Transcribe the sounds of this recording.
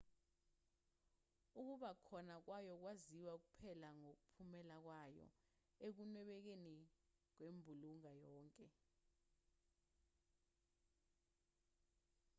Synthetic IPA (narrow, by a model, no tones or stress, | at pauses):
uk̬uɓakʰɔnak̬wajɔk̬waziwak̬upʰɛlaŋok̬upʰumɛlak̬wajɔ̰ | ek̬unwɛɓɛk̬enik̬wembʱuluŋajɔːŋkʼɛ